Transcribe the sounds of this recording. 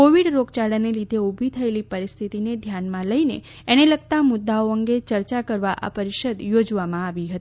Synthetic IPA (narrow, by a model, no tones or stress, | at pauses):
koʋiɽɾoɡt͡ʃaɽənelid̪ʱeubʱit̪ʰəelipəɾist̪ʰit̪ined̪ʱjanmãləine | eneləɡ̚t̪amʊd̪ːaoəŋɡet͡ʃəɾt͡ʃakəɾʋaʔa̰pəɾiʃəd̪jod͡ʒʋamãaʋiɦət̪i